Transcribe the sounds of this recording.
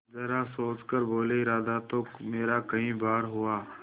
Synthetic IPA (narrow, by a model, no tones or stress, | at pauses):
zɐɾasoːt͡ʃkəɾboːleɪɾaːd̪at̪omeːɾakɐɦĩbaːɾɦuaː